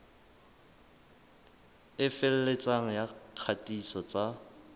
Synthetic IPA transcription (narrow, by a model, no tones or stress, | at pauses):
ɪfɪl̩let͡sʼaŋ̩jaq͡χʰatʼisɔt͡sʼa